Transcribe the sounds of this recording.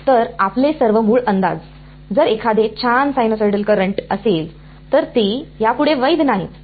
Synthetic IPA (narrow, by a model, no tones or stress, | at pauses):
t̪əɾaplesəɾʋəmuːɭənd̪a̰d͡z | d͡zəɾekʰad̪et͡ɕʰansajnosajɖəlkəɾəɳʈəsel | t̪əɾt̪ijapuɽeʋəjd̪naɦit̪